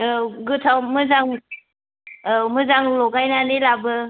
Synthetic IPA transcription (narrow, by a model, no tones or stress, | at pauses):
ɡɯtʰawmɯzaŋ | mɯzaŋlɔɡajnanelabɯ